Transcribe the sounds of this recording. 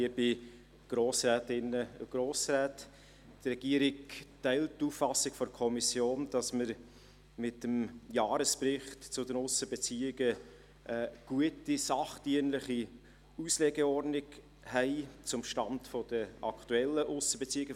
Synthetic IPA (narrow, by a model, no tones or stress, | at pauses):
iəb̥ɪ | ɡ̥ɾoːsɾɛːtɪnːəʊ̰ɡ̥ɾoːsræːt | trɛɡ̥iəɾɪktæɪlttːuːffɑsɪkfɔɾkʰɔmisjoːnd̥ɑsməɾ | mɪtəmjɑːɾəsprɪχtt͡sʊdənʊsəbɛt͡siːɪɡə | ʔɛːɡ̥uətisɑχtiənləχi | usleːɡeɔrdnɪɡ | hɛɪt͡sʊmʃtɑntfɔd̥əʔɑktuɛlːəʔʊsəbɛt͡siːɪɡə